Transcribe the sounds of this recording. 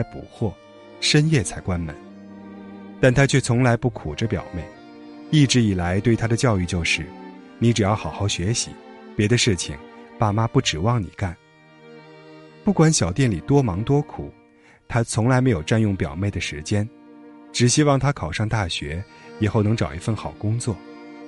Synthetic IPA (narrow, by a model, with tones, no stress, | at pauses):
a˥pṵ˨˩xwɔ˥˩ | ʂə˥njɛ˥˩t͡sʰa˧˥ɪkwa˥nmə̰˧˥n | t̪a˥˩nt̪ʰa˥t͡ɕʰɥɛ˥˩t͡sʰʊ˧˥ŋla˧˥ɪpu˥˩kʰu˨˩ʈ͡ʂə˦pjɑ̰˨˩ʊme˥˩ɪ | i˥˩ʈ͡ʂɻ̩˧˥i˨˩la˧˥ɪt̪we˥˩ɪt̪ʰa˥d̪ə˨t͡ɕjɑ˥˧ʊy˥˧t͡ɕjo˥˧ʊʂɻ̩˥˩ | ni˧˥ʈ͡ʂɻ̩˨˩jɑ˥˩ʊxɑ˨˩ʊxɑ˥˩ʊɕɥɛ˧˥ɕḭ˧˥pjɛ˧˥d̪ə˧ʂɻ̩˥˩t͡ɕʰḭ˩ŋpa˥˩ma˥pu˥˩ʈ͡ʂɻ̩˨˩wɑ˥˩ŋnḭ˨˩ka˥˩n | pu˥˩kwa˧˥nɕjɑ˨˩ʊt̪jɛ˥˩nli˨˩t̪wɔ˥mɑ˧˥ŋt̪wɔ˥kʰu˨˩˦ | t̪ʰa˥t͡sʰʊ˧˥ŋla˧˥ɪme˧˥ɪjo˨˩ʊʈ͡ʂa˥˧njʊ˥˩ŋpjɑ˨˩ʊme˥˩ɪd̪ə˩ʂɻ̩˧˥t͡ɕjɛ˥n | ʈ͡ʂɻ̩˨˩ɕi˥wɑ˥˩ŋt̪ʰa˥kʰɑ˨˩ʊʂɑ˥˧ŋt̪a˥˩ɕɥɛ̰˧˥jɛ˨˩xo˥˩ʊnɤ˧˥ŋʈ͡ʂɑ˨˩ʊi˧˥fə˥˧nxɑ˨˩ʊkʊ˥ŋt͡swɔ˥˩